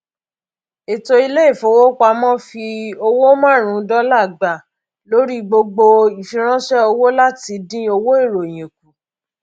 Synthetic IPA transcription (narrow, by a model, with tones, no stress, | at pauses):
e˨to˧i˧le˦i˦˨fo˨˦wo˦kʷa˧mɔ̃˦fi˧o˧wo˦mã˦˨ɾ̃ũ˨˦dɔ˦la˦˨ɡ͡ba˨ | lo˨˦ɾi˦ɡ͡bo˧ɡ͡bo˧i˨fĩ˧ɾ̃ã˦ʃɛ˦o˧wo˦la˦ti˧˦dĩ˦o˧wo˦i˦˨ɾo˨j̃ĩ˨k̚u˨